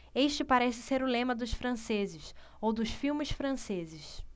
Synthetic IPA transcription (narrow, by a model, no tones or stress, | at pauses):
eʃt͡ʃɪpaɾɛsɪseɾʊlẽmɐd̪ʊʃfɾɐ̃sezɪʃ | owd̪ʊʃfiwmɪsfɾɐ̃sezɪʃ